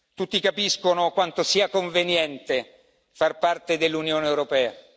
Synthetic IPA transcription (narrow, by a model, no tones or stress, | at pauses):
t̪ut̪ːikapiskonokwant̪osiːakoɱvenjɛnt̪e | farpart̪ed̪elːunjoːneːwɾopɛːa̰